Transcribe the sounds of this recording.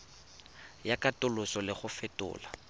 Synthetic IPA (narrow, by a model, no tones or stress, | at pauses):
jakʼatʼʊlʊsɔlɪχʊfɛtʼʊ̰ːla